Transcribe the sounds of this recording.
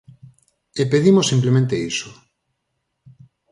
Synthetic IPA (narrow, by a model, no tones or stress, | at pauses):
epeðimosĩmplemẽnt̪eiso